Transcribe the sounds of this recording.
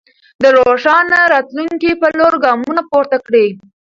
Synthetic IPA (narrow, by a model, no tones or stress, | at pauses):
d̪əɾoʂɑnaɾɑt̪luŋkipəloɾɡɑmunapoɾt̪akɽe